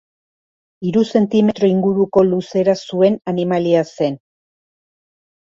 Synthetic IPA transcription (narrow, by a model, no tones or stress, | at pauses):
iɾuse̞nt̪ime̞t̪ɾo̞iŋɡuɾuko̞luse̞ɾasue̞nanimaliase̞n